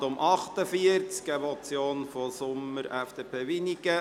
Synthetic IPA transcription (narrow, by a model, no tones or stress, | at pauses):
tʊmʔɑχt̪əfiəɾt͡skɛbɔt͡sjoːnfosʊməɾæfd̥eːpʰeːʋiniɡə